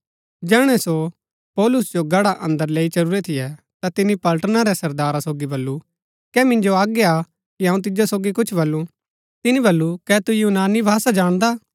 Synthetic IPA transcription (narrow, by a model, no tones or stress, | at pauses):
d͡ʒɛːɽ̃ɛso | pɔːlʊsd͡ʒoɡɐɽaʔɐ̃nd̪əɾleːit͡ʃɐɾuːɾɛt̪ʰɪjɛ | t̪at̪ɪnːipɐlʈnaɾɛsɐɾd̪aːɾasoːɡibɐlːu | kɛmɪ̃nd͡ʒoaːɡea | kiɐ̃ːũt̪ɪd͡ʒosoːɡikʊt͡ʃʰbɐlːũ | t̪ɪnibɐlːukɛt̪ujunaːnibʱaːsad͡ʒaːɽ̃d̪aː